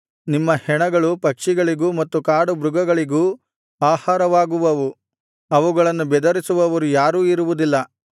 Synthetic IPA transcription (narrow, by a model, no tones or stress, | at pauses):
nimːɐhɛɳɐɡɐɭupɐkʂiɡɐɭiɡuːmɐt̪ːukaːɽubɾuɡɐɡɐɭiɡuː | aːhaːɾɐʋaːɡuʋɐʋu | ɐʋuɡɐɭɐnːubɛd̪ɐɾisuʋɐʋɐɾujaːɾuːiɾuʋud̪ilːɐ